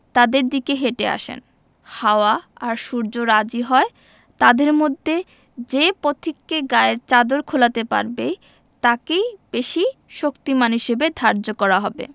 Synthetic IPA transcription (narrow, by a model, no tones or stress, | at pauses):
t̪ad̪eɾd̪ikeɦeʈea̰ʃḛn | haoaaɾʃuɾd͡ʑoɾad͡ʑiɦɔe | t̪ad̪eɾmod̪ʱːe | d͡ʑepot̪ʰikːeɡaeɾt͡ɕad̪oɾkʰolat̪epa̰ɾbej | t̪akejb̥eʃiʃokt̪imanɦiʃebed̪ʱaɾd͡ʑokɔɾaɦɔbḛ